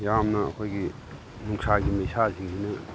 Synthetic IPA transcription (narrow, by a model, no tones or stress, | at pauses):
jamnɐɐ̰kʰojɡi | nuŋsʰaɡimesasʰiŋsʰinɐ